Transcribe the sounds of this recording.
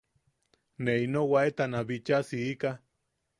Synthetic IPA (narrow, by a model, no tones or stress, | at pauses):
neinowaet̪anaβit͡ʃasiika